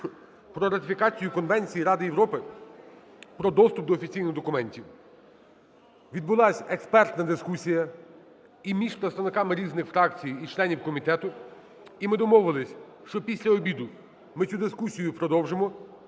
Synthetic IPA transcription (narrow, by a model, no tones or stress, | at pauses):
pɾɔɾɐt̪ʲɪfʲikɑt͡sʲijʊkɔnʋɛnʲt͡sʲijiɾɑd̪ɪjewɾɔpɪ | pɾɔd̪ɔst̪ʊp̚d̪ɔːfʲit͡sʲijnɪɣd̪ɔkʊmɛnʲtʲiw | ʋʲid̪̚bʊlˠɑsʲekspɛrt̪nɐd̪ɪskusʲijɐ | imʲiʃpɾet̪st̪ɐʋnɪkɑmɪɾʲiznɪxfɾɑkt͡sʲijit͡ʃlˠɛnʲiwkɔmʲit̪ɛt̪ʊ | imɪd̪ɔmɔwʊʋɐlˠɪsʲ | ʃt͡ʃɔpʲisʲlʲɐɔbʲid̪ʊ | mɪt͡sʲud̪ɪskusʲijʊpɾɔd̪ɔwʒemɔ